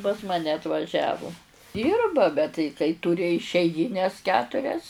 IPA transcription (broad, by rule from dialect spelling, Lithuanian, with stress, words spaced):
pɐs ˈmɑːnʲɛ ɐtʋɐˈʒʲæːʋʊ ˈdʲiːrbɐ bʲɛt tɐɪ kɐɪ ˈtuːrʲɪ ɪʃʲɛɪˈɡʲiːnʲɛs ˈkʲæːtʊrʲɛs